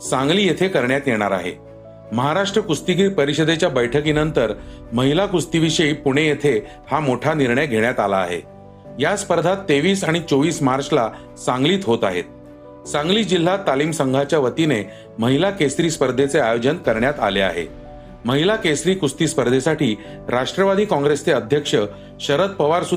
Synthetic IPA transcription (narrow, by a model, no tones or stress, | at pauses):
sãŋɡliːjet̪ʰekəɾɳjat̪jeɽ̃aɾa̰ɦḛ | məɦaɾaʂʈɾəkust̪iɡiːpəɾiɕəd̪ʱet͡ɕjabəjʈʰəkinənt̪əɾ | məɦilakust̪iʋiɕəipuɽ̃ejet̪ʰe | hamoʈʰaniɾɳəjɡʱeɽjat̪ala̰ːɦḛ | jaspəɾd̪ʱat̪ːeʋiːsaɽ̃it͡soʋiːsmaɾt͡sla | sãŋɡliːt̪ɦot̪aɦet̪̚ | sãŋɡliːd͡ʑil̤ːat̪ːaliːmsəŋɡʱat͡ɕjaʋət̪ine | məɦilakesɾiːspəɾd̪ʱet͡seajod͡ʑənkəɾɳjat̪a̰lea̰ɦḛ | məɦilakesɾiːkust̪iːspəɾd̪ʱesaʈiː | ɾaʂʈɾəʋad̪ʱiːkɔ̃ŋɡɾest͡seəd̪ʱjəkʂə | ɕəɾət̪̚pəʋaɾsu